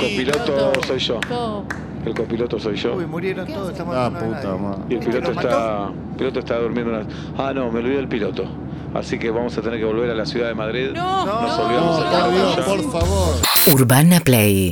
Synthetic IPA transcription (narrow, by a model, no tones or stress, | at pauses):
kopilot̪osojʃo | elkopilot̪osojʃomuɾjeɾont̪oðoet̪amaput̪amaielpilot̪oest̪a | pilot̪oest̪aðuɾmjẽnd̪ouna | anomeolβiðelpilot̪o | a̰sikeβamo̞sat̪eneɾkeβo̞lβeɾalasjuðaðemaðɾiðnosaljosaajoʃpoɾfaβoɾuɾβanaplej